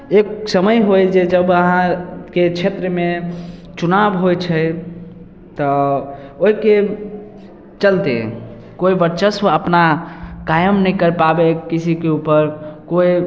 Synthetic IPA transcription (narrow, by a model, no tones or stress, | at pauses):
eksəməjɦojd͡ʒed͡ʒəbəɦãket͡ʃʰet̪ɾəme | t͡ʃunabɦojt͡ʃʰəj | t̪ɔ | oɦike | t͡ʃəlt̪ḛ | koibəɾt͡ʃəsʋəəpnakajəmnəkəɾpabekisʰikeupəɾkoi